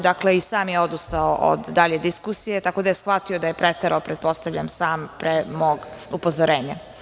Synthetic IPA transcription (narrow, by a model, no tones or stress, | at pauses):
d̪akle̞isaːmjeo̞d̪ust̪aoʔo̰d̪ːaʎed̪iskusije̞t̪ako̞d̪aje̞sxʋat̪io̞d̪aje̞pɾet̪eɾʔaopɾet̪̚po̞st̪aʋʎamsaːmpɾemoːɡupo̞zoɾeːɲa